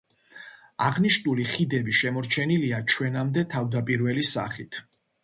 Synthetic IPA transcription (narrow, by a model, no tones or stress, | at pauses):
aʁniʃnuliχid̪ɛbiʃɛmɔɾt͡ʃʰɛniliat͡ʃʰwɛnamd̪ɛt̪ʰavd̪apʼiɾvɛlisa̰χit̪ʰ